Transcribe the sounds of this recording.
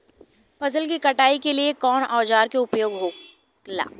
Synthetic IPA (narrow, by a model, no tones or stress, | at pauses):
fɐzəlkikɐʈaːikeliekɔːnɔːd͡ʒaːɾkeʊpjoːɡɦoː | la̰ː